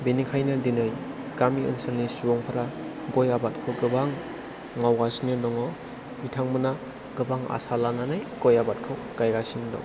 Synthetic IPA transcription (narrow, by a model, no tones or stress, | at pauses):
benikʰajnɯdinɯj | ɡ̥amiɯ̰nsaɾnisuɔŋpʰaɾa | ɡɔjabat̚kʰɯwɡɯbaŋ | ŋawɡasinɯnɔŋɔ | itʰaŋmɯna | ɡɯbaŋa̰salananajɡ̥ɔjabat̚kʰɯw | ɡ̥ajɡasinɯdɔ̰